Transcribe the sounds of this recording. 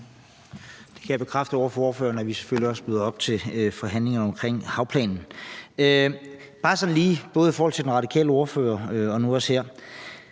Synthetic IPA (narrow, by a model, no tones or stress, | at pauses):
d̥e̝̥kʰæjæb̥e̝kʰʁafd̥əo̝ːɐfɒo̝ːɐfø̰ːɐnɒʋise̥føl̰liɒ̽sb̥ʁyːðˠɒ̽b̥̚t͡sʰe̝fɒ̽ɦæn̰le̝ŋɐnɒ̽mkʰʁeŋ̰hɑ̈ʊpʰlɛ̰ːnn̩øb̥ɑ̈ːsɒ̽nliːb̥ɔ̽ːð̞̩ˠifɒːhɒ̽l̰t͡sʰe̝d̥enʁɑ̈d̥ikʰɛ̰ːləo̝ːɐfø̰ːɐøɒ̽nuɒ̽sheɐ̰